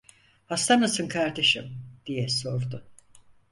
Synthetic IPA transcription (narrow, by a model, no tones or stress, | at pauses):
hast̪ʰanasɯnkʰaɾd̪e̞ʃimd̪̥ijɛso̞ɾd̪ʊ